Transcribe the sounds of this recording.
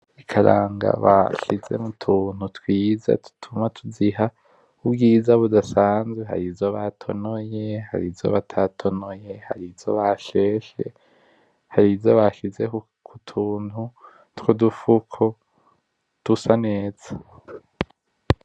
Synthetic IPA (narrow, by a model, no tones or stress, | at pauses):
ikʰaɾaːŋɡa̰βa̰ʃize̞̰mutʰuːn̥hutwiːza̰tu̥tʰumatʰuziɦa | ubɡiːzaβudasaːnzweɦa̰ɾivzo̞βatʰonoje̞ha̰ɾivzo̞̰βatʰatʰo̞nojeha̰ɾivzo̞̰βaʃe̞ːʃḛ | haɾivzoβaʃize̞ | kʰutʰuːn̥hu | twodufukʰo | d̥usane̞ːz̥a